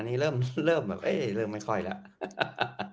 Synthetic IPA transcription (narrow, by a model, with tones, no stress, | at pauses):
nːiː˦˥ɾɤː˥˩mɾɤː˥˩mbɛː˨˩p̚ʔe˥˩ɾɤː˧˩mːa˥˩jkʰɔ˥˩jla̰˦˥ʔ